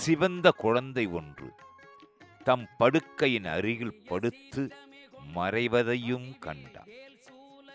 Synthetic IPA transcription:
sɪʋɐnd̪ɐkʊɻɐnd̪ɐɪɔndrɯ̰ | t̪ɐmpɐɽɯkːɐjɪnɐ̰ɾɪɣɪɭpɐɽɯt̪ːɯmɐrɐɪʋɐðɐjɯmkɐɳɖa̰ː

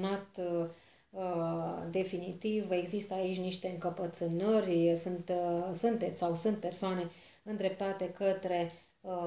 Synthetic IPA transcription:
nat̪ | d̪e̞finit̪ive̞ɡzist̪əait͡ʃʲniʃt̪e̞ɨŋkəpət̪sɨnərʲsunt̪sunt̪e̞t̪sʲsawsunt̪̚pe̞rsoane̞ | ɨnd̪ɾe̞p̚t̪at̪e̞kət̪ɾe̞

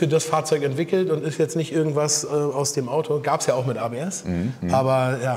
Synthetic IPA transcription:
fyːɐdasfaːɐt͡sɔʏkɛntv̥ɪkl̩tʊntɪstjɛt͡stnɪçtʔɪɐɡŋ̩tv̥asɛaʊsd̥eːmʔaʊtʰoɡaːpsjaːaʊxmɪtʔaːbeːɛsʔaːbɐjaː

